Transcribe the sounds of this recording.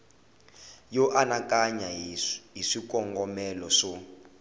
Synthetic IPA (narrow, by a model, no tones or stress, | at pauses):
jɔʔanakʼaɲaɦiʂik̬ʼɔŋɡɔmɛlɔʂɔ